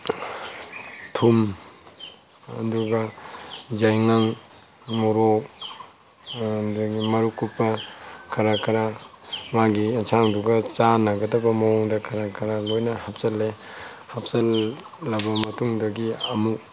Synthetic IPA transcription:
tʰum | nduɡa | zajŋaŋ | mɔɾo | dɡimɐɾukupːɐkʰaɾakʰaɾamaɡinsʰaŋduɡat͡ʃanaɡɐdɐbɐmawuŋdɐkʰaɾakʰaɾalojnɐhap̚sɐlːe | hap̚salː | abɐmɐtuŋdɐɡiɐmu

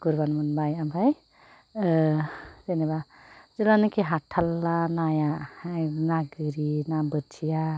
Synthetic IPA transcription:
ɡ̥uɾbanmɯnbajabʱaj | zeneba | zilanɯkeɦaʈʰːalːanaja | naɡɯɾinabɯt͡ʃʰija

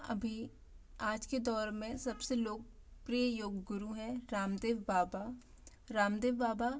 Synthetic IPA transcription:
ɐ̰bʱi | aːd͡ʒked̪ɔːɾmẽsɐbseloːɡ̚ | pɾijəjoːɡːʊɾuɦɛ̃ɾaːmd̪eːʋbaːba | ɾaːmd̪eːʋbaːba

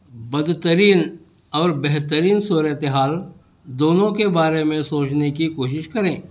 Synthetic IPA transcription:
bɐd̪t̪əɾiːn | ɔːɾbɛɦt̪əɾiːnsuːɾət̪eɦaːl | d̪oːnõkebaːɾemẽsoːt͡ʃnekikoːʃɪʃkɐɾẽː

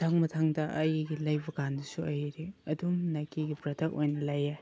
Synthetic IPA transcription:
tʰɐk̚mɐtʰaŋdɐʔɐjɡilɐjbɐɡandɐsuɐjiɾeɐdumnakiɡipɾɐtʰɐk̚o̰jnɐlɐje

